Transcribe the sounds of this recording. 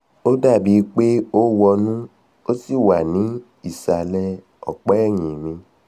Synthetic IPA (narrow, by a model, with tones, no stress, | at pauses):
o˦da˦˨bi˨˦˧k͡pe˦o˦wɔ˧nũ˦ | o˦si˦˨wa˨nĩ˨˦ | i˦˨sa˨lɛ˦ | ɔ̰˨k͡pɛ˨˦ɛ˦˨ɲĩ˨mĩ˧